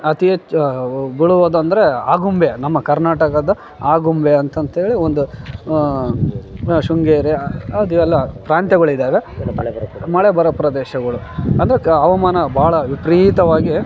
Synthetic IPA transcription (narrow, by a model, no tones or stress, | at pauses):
ɐt̪ie | biɭuʋod̪uɐnd̪ɐɾeaːɡumbenɐmːɐkɐɾnaːʈɐkɐd̪ɐ | aːɡumbeɐnt̪ɐnt̪eːɭiond̪u | ʂuŋɡeːɾeɐd̪iɛlːɐpɾaːnt̪jɛɡɐɭid̪aːʋe | mɐɭɛbɐɾɐpɾɐd̪ɛːʃɐɡɐɭuɐnd̪ɐɾeɐʋɐmaːnɐbaːɭɐʋipɾiːt̪ɐʋaːɡi